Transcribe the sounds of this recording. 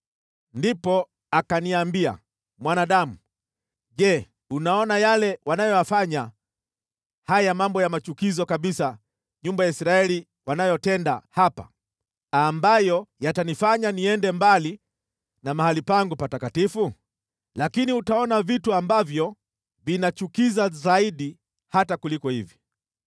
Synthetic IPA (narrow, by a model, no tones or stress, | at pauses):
ndipɔ | akaniambia̰ | mwanaɗamu | ʄɛ | unaɔnajalɛwanajɔjafaɲa | hajamambɔjamat͡ʃukizɔkaɓisa | ɲumbajaisɾaɛli | wanajɔtɛndahapa̰ | ambajɔjatanifaɲaniɛndɛmbali | namahalipaŋɡupatakatifu | lakiniutaɔnavituambavjɔ | vinat͡ʃukizazaiɗi | hatakulikɔhivi